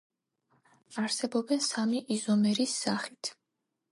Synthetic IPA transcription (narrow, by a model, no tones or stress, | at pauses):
aɾsɛbɔbɛnsamiʔizɔmɛɾisːaχit̪ʰ